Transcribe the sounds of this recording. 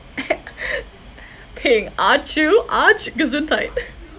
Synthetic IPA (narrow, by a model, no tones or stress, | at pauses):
pʰeɪ̃ŋat͡ʃuʔat͡ʃɡəzɨ̃ntʰaɪt̚